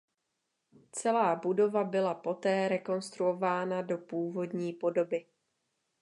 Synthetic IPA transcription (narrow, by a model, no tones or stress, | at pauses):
t͡sɛlaːbudo̞vabɪlapo̞t̪ɛːɾɛko̞nst̪ɾuo̞vaːnado̞puːvo̞dɲiːpo̞do̞bɪ